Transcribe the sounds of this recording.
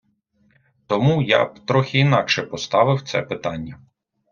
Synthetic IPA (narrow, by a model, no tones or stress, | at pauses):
t̪ɔmuja̰bt̪ɾɔxʲiːnɑkʃɛpɔst̪ɑʋɪwt̪sɛ̰pɪt̪ɑnʲːɐ